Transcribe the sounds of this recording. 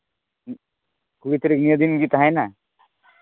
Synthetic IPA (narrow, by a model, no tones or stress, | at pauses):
kuɡit̪ɾiknijəd̪inɡit̪aɦãjna